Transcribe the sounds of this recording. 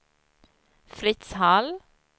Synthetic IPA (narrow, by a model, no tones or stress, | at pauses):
fɾɪt̪shɑl